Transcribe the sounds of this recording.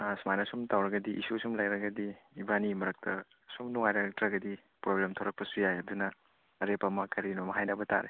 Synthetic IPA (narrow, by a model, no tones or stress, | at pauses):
smajnɐsumtawɾɐɡɐdiʔḭsusumlajɾɐɡɐdiibanimɐɾɐk̚tʰɐ | sumnuŋajɾatɾɐɡɐdi | pɾoblemtʰowɾɐk̚pɐsujajɐdunɐː | ɾepɐmɐkɐɾinomɐɦajnɐbɐta̰ɾḛ